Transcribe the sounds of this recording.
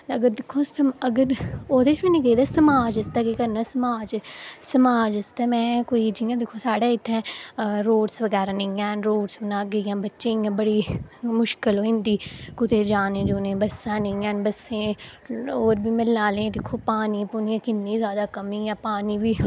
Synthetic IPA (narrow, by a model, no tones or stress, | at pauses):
əɡəɾd̪ɪkʰːõːsəməɡəɾoːd̪eːʃmɛ̃nĩɡəid̪aːsəmaːd͡ʒɐst̪akekəɾnaːsəmaːd͡ʒsəmaːd͡ʒəst̪ɛːmɛ̃ːkoːid͡ʒiːjãːd̪ɪkʰːõːsaːɽaːɪt̪ʰːɛ̃ːɾoːɽsʋəɡɛːɾaːnɪ̃ãːnɾoːɽsbənaːɡəiːãːbətːʃẽːɪːãːbəɽiːmʊʃkɪloːɪnd̪iːkʊt̪eːd͡ʒaːnẽːd͡ʒuːnẽːbəsãːnẽãːnbəsẽː | oːɾbʱiːmɪlnaːlẽːd̪ɪkʰːoːpaːniːpʊniãːkɪnːĩːzjaːd̪aːkəmiːjãːpaːniːbʱiː